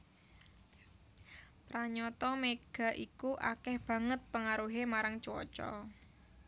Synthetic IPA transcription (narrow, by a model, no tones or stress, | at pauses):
pɾaɲɔt̪ɔmeɡ̥a̤ʔikuʔa̰kɛhb̥ä̤ŋət̪̚pəŋaɾuɦemaɾaŋt͡ʃɔ̰t͡ʃɔ̰